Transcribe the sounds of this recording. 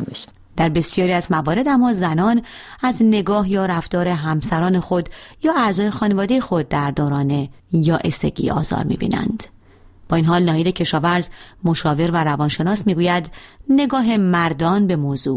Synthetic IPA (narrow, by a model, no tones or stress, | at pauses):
d̪̥æɾbe̞sijɒːɾiːæzmævɒːɾe̞d̪æmːɒːzænɒːnæzne̞ɡɒːɦjɒːɾæfd̪ɒːɾe̞ɦæmsæɾɒːne̞xo̞d̪jɒːʔæzɒːje̞xɒːne̞vɒːd̪e̞jexo̞d̪̚ːæɾd̪oːɾɒːne̞ | jɒːʔese̞̰ɟḭɒ̰ːzɒ̰ːɾmḭːbḭːnæ̰nd̪̥ | b̥ɒːinɦɒːlnɒːiːlecʰe̞ʃɒːvæɾzmo̞ʃɒːve̞ɾvæɾævɒːnʃe̞nɒːsmiːɡuːjæd̪ne̞ɡɒːɦe̞mæɾd̪ɒːnbe̞moːzuː